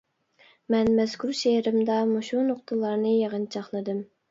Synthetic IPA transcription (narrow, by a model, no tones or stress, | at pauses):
mɛnmɛz̥kʰuɾʃeɾɪmd̪ɑmuʃunʊχt̪ʰɨlˠɑɾnɨjeʁənt͡ʃʰɑχlˠɨd̪ɨm